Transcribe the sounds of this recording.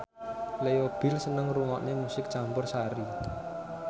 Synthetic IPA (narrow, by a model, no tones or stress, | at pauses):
lejob̥ɪ̤lsənəŋruŋɔʔnemusɪk̚t͡ʃampʊrsaɾi